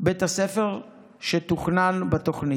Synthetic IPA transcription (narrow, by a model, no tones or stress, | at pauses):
bet̪hasefeʁ | ʃet̪uχnanbat̪oχni